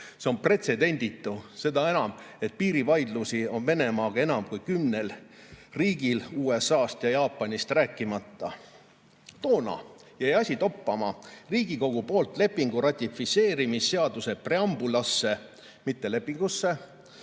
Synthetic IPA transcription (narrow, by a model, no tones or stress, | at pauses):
se̞o̞npre̞t̪se̞d̪e̞nʲd̪̥it̪ːˑuse̞d̪ɑe̞nɑme̞t̪̚piːɾivɑjd̪lusio̞nve̞ne̞mɑːɡ̥ɑe̞nɑmkujkymne̞lriːɡiluːe̞sɑːst̪jɑjɑːpːˑɑnʲist̪ræːkˑːimɑt̪ːɑ | t̪o̞ːnɑ̰ | jæjɑsʲit̪o̞pːɑmɑriːɡ̥iko̞ɡ̥upo̞ːlt̪ˑle̞pːˑiŋɡ̥uɾɑt̪ʲːifit̪se̞ːɾimisːe̞ɑd̪use̞pre̞ɑmb̥ulɑsːe̞ | mit̪ːe̞le̞pːˑiŋɡ̥usːe̞